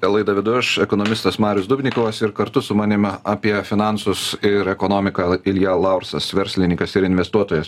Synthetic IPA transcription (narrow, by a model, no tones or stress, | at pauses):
lˠɐɪd̪ɐʋʲɪd̪ʊʃɛkonɔmʲɪst̪ɐsmɑːɾʲʊsd̪ʊbʲnʲɪkoːʋɐsɪɾkɐɾt̪ʊsʊmɑːnʲɪmʲɑːpʲiɛfʲɪnɑˑnsʊsɪɾɛkonoːmʲɪkɑɪlʲjɛlˠɑʊɾsɐsʋʲɛɾʲsʲlʲɪnʲɪŋkɐsɪɾɪnʲʋʲɛst̪uɔt̪oːjɛs